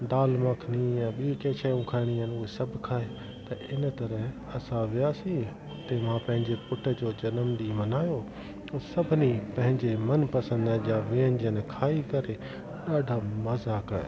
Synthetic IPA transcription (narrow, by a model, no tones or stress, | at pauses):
d̪aːlmãkʰnijãɓikeːʃʰaːjũkʰaːɪɽ̃iɦənɪʊɦesɐbʱkʰaːe | t̪ɐʔɪnət̪ɐɾəɦ | ɐsãʋɪjaːsĩ | ʊt̪emãpɐ̃ɦɪ̃ɲd͡ʑepʊʈʰə̆d͡ʑoːd͡ʑɐnəmd̪imɐnaːjo | t̪ɐsɐbʱɪnipɐ̃ɦɪ̃ɲd͡ʑemɐnpɐsə̃nd̪d͡ʑaːʋiːənɪd͡ʑiənɪ̆kʰaːikɐɾe | ɗaːɖʱamɐzakɐ̰ɾ̰